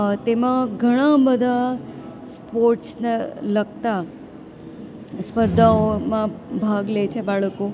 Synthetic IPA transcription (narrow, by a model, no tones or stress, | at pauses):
t̪emãɡʱəɽ̃ãbəd̪ʱa | spoɾʈsnelək̚t̪a | spəɾd̪ʱaomãbʱaɡlet͡ʃʰebaɭko